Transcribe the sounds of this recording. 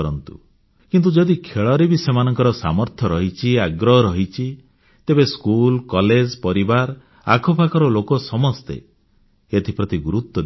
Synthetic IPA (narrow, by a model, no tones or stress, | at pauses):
ɾɔnt̪ṵ | kint̪̬ud͡ʒɔd̪ikʰeɭɔɾebisemanɔŋkɔɾɔsa̰mɔɾt̪ʰjɔɾɔɦit͡ʃʰiaɡɾɔɦɔɾɔɦit͡ʃʰi | t̪ebeskulkɔled͡ʒpɔɾibaɾ | a̰kʰɔpʰakɔɾɔlokɔsɔmɔst̪ḛ | et̪ʰipɾɔt̪iɡuɾut̪wɔd̪